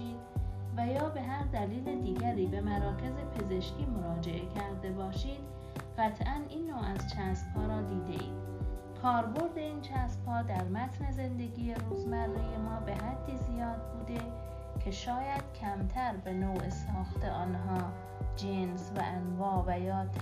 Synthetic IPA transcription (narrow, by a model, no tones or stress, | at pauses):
iːd̪ | væjɒːbe̞ɦæɾd̪æliːled̪iːɟæɾiːbe̞mæɾɒːcʰe̞zepʰe̞ze̞ʃcʰiːmoɾɒːd͡ʒe̞ʔe̞cʰæɾd̪e̞bɒːʃiːd̪̥ | ɢæt̪ʰʔænʔiːnːoːʔæzt͡ʃʰæːsb̥hɒːɾɒːd̪iːd̪e̞̰ʔḭːm | kʰɒːɾbo̞ɾd̪e̞iːnt͡ʃʰæːsb̥hɒːd̪æɾmæt̪ʰne̞ze̞nd̪e̞ɡiːjeɾuːzmærːije̞mɒːbe̞ɦæd̪ːiːzijɒːd̪̚buːd̪e̞ | cʰe̞ʃɒːjæd̪̥̚cʰæmt̪ʰæɾbe̞nowesɒːxt̪eʔɒːnɦɒː | d͡ʒensvæ̰ʔænvɒːvæjɒːt̪ʰ